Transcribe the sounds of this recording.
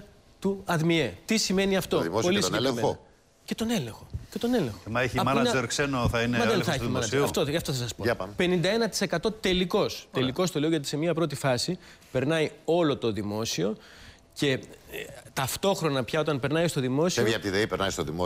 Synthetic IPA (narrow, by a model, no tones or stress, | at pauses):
t̪uɐðmiet̪isime̞niɐft̪o̞ðimospolissonelemeo | ce̞t̪o̞ne̞leŋxo̞̥cet̪o̞ne̞leŋxmɐeçiɐmɐneɾksenoθɐinemɐðenθɐeimɐnɐd͡ʒeɐft̪oʝɐft̪oθɐs̬ɐspope̞nind̪ɐe̞nɐt̪i̥se̞kɐt̪o̞t̪e̞liko̞st̪e̞liko̞st̪o̞le̞oʝɐt̪̬i̥se̞mɲiɐpɾo̞t̪̬ifɐsi | pe̞ɾnɐjo̞lo̞t̪o̞ðimo̞sio̞ | ce̞ | t̪ɐft̪o̞xɾo̞nɐpçɐo̞t̪̬ɐnpe̞ɾnɐjst̪o̞ðimo̞sieoviɐpt̪iðeipeɾnɐ̰ist̪o̰ðimo